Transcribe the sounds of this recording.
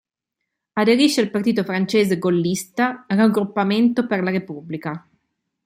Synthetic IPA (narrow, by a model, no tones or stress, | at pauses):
ad̪eɾiʃːealpart̪iːt̪ofɾant͡ʃeːzeɡolːist̪aːraɡɾupːament̪operlaɾepubːlika